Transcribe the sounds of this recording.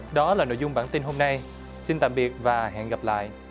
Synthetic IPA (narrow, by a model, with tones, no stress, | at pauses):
ɗɔ˨˦laː˨˩no̰˧˨jzʊ˧ŋ͡mɓaː˧˩nt̪i˧nɦo˧mna˧j | si˧nt̪a̰ː˧˨mɓi˨˩ət̚vaː˨˩ɦɛ̰˧˨nɣa˨˩p̚la̰ː˧˨jʔ